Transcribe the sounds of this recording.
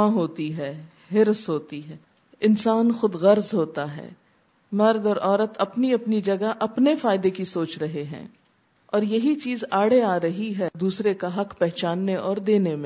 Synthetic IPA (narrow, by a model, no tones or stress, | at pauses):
ãɦoːt̪iɦɛː | ɦɪɾsɦoːt̪iɦɛː | ɪnsaːnxʊd̪ɣɐɾzɦoːt̪aɦɛ̰ː | mɐɾd̪ɔːɾʔɔːɾət̪ɐpniɐpnid͡ʒɐɡaʔɐpnefaːɪd̪ekisoːt͡ʃɾɐɦeɦɛ̰̃ː | ɔːɾjɐɦit͡ʃiːzaːɽeaːɾɐɦiɦɛd̪uːsɾekaɦɐqpɛɦt͡ʃaːnːeʔɔːɾd̪eːnemẽ